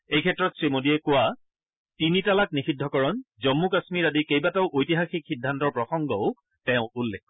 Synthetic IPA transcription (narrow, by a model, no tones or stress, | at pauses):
ejkʰɛtːɹɔtsɹimodiɛkʊwa | tinitalak̚nixidʱɔkɔɹɔnzɔmːukasmiɹadikejbataʊʔojtiɦaxikxidʱːantɔɹpɹɔxɔŋɡɔʊ | tɛʊ̃ulːɛkʰːɔ